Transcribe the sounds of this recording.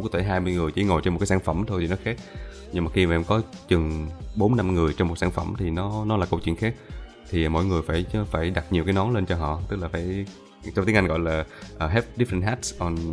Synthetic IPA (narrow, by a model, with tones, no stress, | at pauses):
kːt̪ʰe˧˩ɦaː˧jmɨ˧əjŋɨ˨˩əjt͡ɕḭ˧˩˦ŋo˨˩jt͡ɕɔ˧m̚˨˩kːaː˨˦sa˧˩nfə˧˩mt̪ʰo˧jt̪ʰi˨˩nɔ˨˦xaː˦˥k̚ | ɲɨ˧ŋmaː˨˩xi˧aː˨ʔɛ˧˩mkɔ˨˦t͡ɕɨ˨˩ŋɓo˨˦nːa˧mŋɨ˨˩əjt͡ɕɔ˧wŋ͡mmo˨˩t̚saː˧˩nfə˧˩mt̪ʰi˨˩nɔ˨˦nɔ˨˦laː˨˩ko˧wt͡ɕwi˧ənxaː˦˥k̚ | t̪ʰi˨˩˨mo̰˧˨jŋɨ˨˩əjfaː˧˩jfaː˧˩jɗa˨˩t̚ɲi˨˩wkaː˨˦jnɔ˨˦le˧nt͡ɕɔ˧ɦɔ̰˧˨t̪ɨ˦˥k̚laː˨˩faː˧˩j | t͡ɕɔ˧wŋ͡mt̪i˨˦ŋʔa˧ŋɣɔ̰˧˨jlaː˨˩ʔəː˨˩ɦɛ˦˥p̚ɗi˦˥fə˧nt̚ɦaː˦˥tsʔɔ˧n